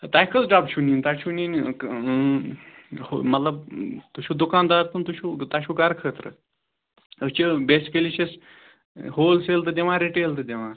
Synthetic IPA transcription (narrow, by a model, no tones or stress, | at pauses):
t̪aːjkʰəlɖabt͡ʃʰuniːnʲt̪at͡ʃʰunin | homɐt̪lɐbt̪ut͡ʃʰuːd̪ukaːnd̪aːɾt̪unt̪ut͡ʃʰuːt̪at͡ʃʰuːɡɐɾkʰəːt̪ɾə̰ | ət͡ʃibeːsi̥keliʃes | hoːlselt̪̬ɨd̪eʋãːɾiʈeːlt̪ɨd̪ʲeʋãː